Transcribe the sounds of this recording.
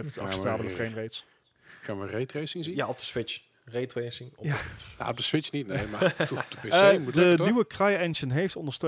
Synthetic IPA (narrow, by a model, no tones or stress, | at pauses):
ɛtɑksɛptaːbələfrejmrejts | χaːnʋərejtrejsɪŋzinjaɔp̚dəsʋɪt͡ʃ | rejtrejsɪŋɔjana̰ɔb̚dəsʋɪt͡ʃnitnemad̥əpemdəniwəkrɑjɛnʒənɦejftɔndəɹstø